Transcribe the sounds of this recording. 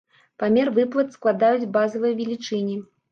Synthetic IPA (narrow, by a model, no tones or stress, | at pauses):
pamʲɛrvɨplˠɐt̪sklˠad̪ajud͡zʲbazɐvɐjvʲilʲit͡ʂɨnʲi